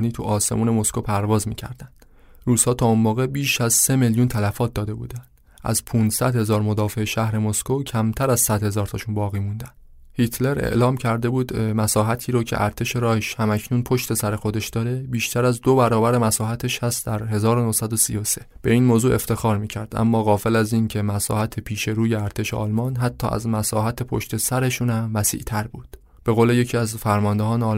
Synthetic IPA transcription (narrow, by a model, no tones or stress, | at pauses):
niːt̪ʰuʔɒːse̞̰muːne̞mo̞skopʰæɾvɒːzmḭːcʰæ̰ɾd̪ænd̪̥ | ruːz̥hɒːt̪ʰɒːunbɒːɣe̞biːʃæzse̞meljunt̪ʰælæfɒːt̪̚d̪ɒːd̪e̞bṵːd̪ænd̥̪ | ʔæ̰zpʰunsæd̪he̞zɒːɾmo̞d̪ɒːfe̞eʃæhɾe̞moskocʰæmt̪ʰæɾæzsæd̪̥he̞zɒːɾt̪ʰɒʃunbɒːɣiːmund̪ænd̥̪ | hit̪ʰle̞ɾḛʔlɒːmcʰæɾd̪e̞buːd̪mæsɒːɦæt̪ʰiːɾoːcʰe̞̰ʔæɾt̪ʰe̞ʃe̞ɾɒːheʃhæmæcʰnuːnpʰo̞ʃt̪e̞sæɾe̞xo̞d̪e̞ʃd̪ɒːɾe̞biːʃt̪ʰæɾæzd̪obæɾɒːbæɾe̞mæsɒːhæt̪ʰeʃhæst̪d̪æɾɦe̞zɒːɾonohsæd̪o̞sḭjose̥ | b̥e̞iːnmoːzuːʔe̞ft̪e̞xɒːɾmiːcʰæɾd̪ʔæ̰mːɒːɣɒːfe̞læziːncʰe̞mæsɒ̰ːhæt̪ʰepʰiːʃe̞ɾuːjeæɾt̪ʰe̞ʃeʔɒ̰lmɒːnɦæt̪ʰːɒ̰ːʔæ̰zmæsɒːɦæt̪ʰe̞pʰo̞̰ʃt̪ʰe̞sæɾe̞ʃunæmvæsḭʔt̪ʰæɾbuːd̪̥ | b̥e̞ɣoːle̞je̞cʰiːæzfæɾmɒːnd̪eɦɒːneɒːl